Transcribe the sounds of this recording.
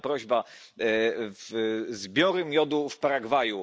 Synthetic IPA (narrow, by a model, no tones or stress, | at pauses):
pɾɔʑba | vzbʲjɔɾɘmʲjɔd̪ufpaɾaɡvaju